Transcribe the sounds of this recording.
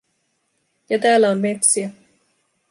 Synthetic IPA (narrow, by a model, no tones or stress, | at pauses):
jɑt̪æːlːæomme̞t̪siæ